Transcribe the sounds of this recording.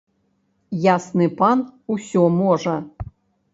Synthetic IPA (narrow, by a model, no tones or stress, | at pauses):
jasnɨpanusʲɔmɔʐɐ